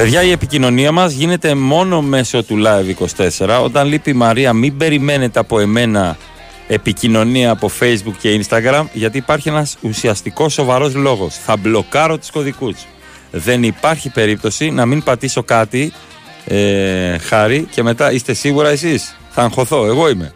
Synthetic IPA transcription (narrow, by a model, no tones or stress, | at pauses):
veðʝɐie̞picino̞niɐmɐzʝine̞t̪e̞mo̞no̞me̞so̞t̪ulɐeviko̞st̪e̞se̞ɾɐo̞̰t̪ɐnlipimɐɾiɐmibe̞ɾime̞ne̞t̪eɐpo̞e̞me̞nɐ | e̞picino̞niɐːpo̞fe̞jzbukce̞inst̪ɐɣɾɐmʝɐt̪̬iːpɐɾçie̞nɐsusiɐst̪iko̞sːo̞vɐɾo̞zlo̞ɣo̞sθɐblo̞kɐɾo̞t̪u̥sko̞ðikus | ðe̞nipɐɾçipe̞ɾip̚t̪o̞sinɐmiŋpɐt̪iso̞kɐt̪i | exɐɾice̞me̞t̪ɐʔist̪e̞siɣuɾɐes̬is | θɐːŋxo̞θo̞e̞ɣo̞ime̞̰